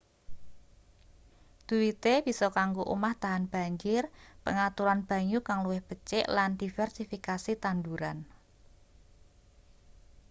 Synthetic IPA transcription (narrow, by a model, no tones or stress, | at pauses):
d̪̥ṳwit̪eb̥isɔkaŋɡoʔṵmaht̪aɦanb̥a̤ɲd͡ʒɪrpəŋat̪uɾanb̥ä̤ɲukaŋluwɪhb̥ət͡ʃɪʔland̪̥i̤fɛrsifikasit̪anduɾan